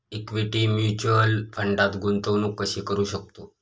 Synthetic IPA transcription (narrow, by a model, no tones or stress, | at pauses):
ikʋiʈimjut͡ɕəlfʰəɳɖat̪ɡunt̪əʋnuːkəɕiːkəɾuɕək̚t̪o